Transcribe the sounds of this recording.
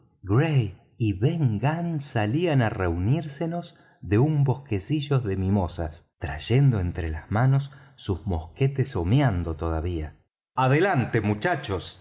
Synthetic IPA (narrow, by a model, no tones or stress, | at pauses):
ɡɾej | iβeŋɡansalianareuniɾseno̞z | ðe̞umbo̞ske̞siʒo̞ðe̞mĩmo̞sast̪ɾa̰ʒe̞nd̪o̞ent̪ɾelazmano̞sːuzmohket̪eso̞mjand̪o̞t̪o̞ð̞aβia | aðelant̪e̞mut͡ʃat͡ʃos